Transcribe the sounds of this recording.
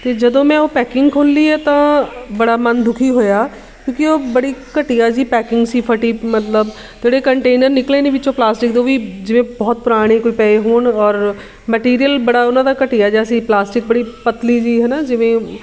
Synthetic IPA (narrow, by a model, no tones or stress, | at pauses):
t̪eːd͡ʒəd̪õːmɛ̃ːoːpɛːkɪ̃ŋɡkʰoːnliːɛt̪ãːbɐɽaːmənd̪ʱʊkʰiːɦoːjaː | kjõːkioːbəɽiːkəʈijaːd͡ʒiːpɛːkɪ̃ŋɡsiːpʰəʈiːmət̪ləb | t̪eːɽekəɳʈeːnəɾnɪkleːneːʋɪt͡ʃõːplaːsʈɪk̚d̪oːʋiːd͡ʒɪʋẽːbɔːt̪̚pʊɾaːɽ̃ekoːipɛːeɦoːɳɔːɾ | mɛʈiːɾijəlbɐɽaːʊnãːd̪aːkəʈɪjaːd͡ʒaːsiːplaːsʈɪk̚bəɽiːpət̪liːd͡ʒiːɦɛːnaːd͡ʒɪʋẽː